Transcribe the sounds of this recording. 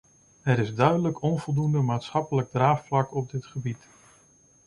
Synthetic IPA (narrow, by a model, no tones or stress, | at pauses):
ɛɾɪzdœɥdələkɔnvɔlˠdundəmaːtsχɑpələɡ̚draːfflɑkɔb̚dɪtχəbit